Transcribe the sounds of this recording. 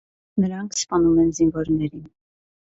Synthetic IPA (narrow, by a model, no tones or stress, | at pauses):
nəɾɑŋkʰspɑnumɛnzinvɔɾnɛɾin